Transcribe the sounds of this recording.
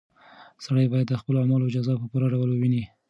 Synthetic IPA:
saɽəjbɑjad̪ːəxpəloamɑloɪd͡ʒɑzɑpəpuɾaɖawəlwəwini

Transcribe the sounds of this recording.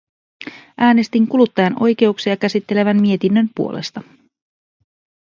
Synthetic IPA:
ʔæːne̞st̪iŋkulut̪ːɑjɑno̞jk̟e̞uksiɑkæsit̪ːele̞ʋænmie̞t̪inːø̞mpuo̞lʔe̞̰st̪ɑ

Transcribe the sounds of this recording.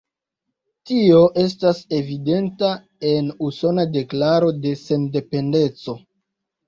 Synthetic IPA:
tio̞ʔe̞s̬tase̞vide̞nta | e̞nuso̞nade̞klaɾo̞de̞se̞nde̞pe̞nde̞t͡so̞

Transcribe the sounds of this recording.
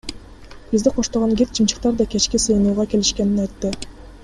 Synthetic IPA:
b̥izd̪iqʰoʃt̪oʁoŋɡʲet̪̚t͡ʃʰɯmt͡ʃɯ̥q̚t̪ɑɾd̪ɑkʲe̞t͡ʃkʲisɯjnuːʁɑke̞liʃke̞ninɑjt̪ːɯ

